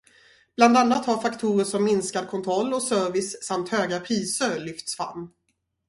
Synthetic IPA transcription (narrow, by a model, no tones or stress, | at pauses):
b̥land̪anːat̪haɾfakt̪ʰuːɾəʂɔmːɪnskad̪̚kʰɔnt̪ʰɾɔlːɔsœːɾvɪssamt̪høːɡapʰɾiːsəɾɭʏft̪sfɾa̰mː